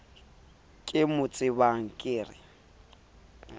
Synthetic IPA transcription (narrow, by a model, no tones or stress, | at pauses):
kʼɪmʊt͡sʼɪbaŋ̩kʼɪːrɪ̰